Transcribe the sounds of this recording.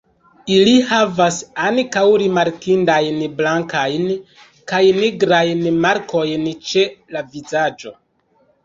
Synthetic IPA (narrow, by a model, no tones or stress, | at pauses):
ilihavasankawɾimaɾkindajnblaŋkajn | kajniɡɾajnmaɾkʰo̞jnt͡ʃe̞lavizad͡ʒo̞